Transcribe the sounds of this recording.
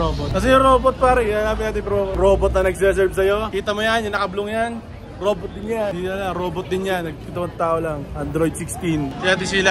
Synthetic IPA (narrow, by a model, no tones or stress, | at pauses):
oːbot̪̚kɐs̬ɛjʊŋɾo̞ːbot̪̚paːɾɛjanapɪaːt̪ɪpɾoːɾoːbot̪̚nɐnɐɡsɛs̬ɛɾbsɐjo̞kiːt̪ɐmojanjʊnɐkɐblʊŋjan | ɾo̞ːbot̪̚d̪ɪnjad̪inɐlaɾoːbot̪̚d̪ɪnjanːɐɡ̚kiːt̪ɐmɐnt̪aːʔolaŋʔɐnd̪ɾojd̪sɪkst̪insɪat̪̬ɪsila